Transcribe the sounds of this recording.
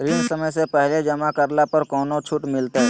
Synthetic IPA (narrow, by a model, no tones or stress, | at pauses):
ɾɪnsɐməjsepɛɦled͡ʒɐmakɐɾlapɐɾkɔːnõt͡ʃʰʊʈmɪlt̪eɦɛː